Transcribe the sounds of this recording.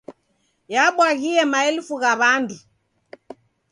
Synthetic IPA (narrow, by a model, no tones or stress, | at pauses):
jaɓwaɣiɛmaɛlufuɣaβandu